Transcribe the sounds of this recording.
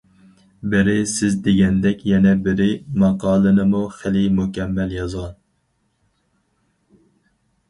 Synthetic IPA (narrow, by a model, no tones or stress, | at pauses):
bɪɾɪsɪzd̪eɡʲɛnd̪ɛkʲjɛnɛbɪɾɪmɑqʰɑːlˠɨnɨmuχɪlimukʲɛmːɛljɑzʁɑn